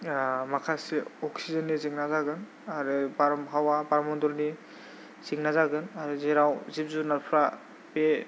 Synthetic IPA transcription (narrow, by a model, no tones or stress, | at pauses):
makʰaseɔksizɔnːiziŋnazaɡɯn | aɾibaɾmɦawabaɾmɔndɔlni | z̥iŋnazaɡɯnaɾizeɾawzip̚zunapʰɾa | pe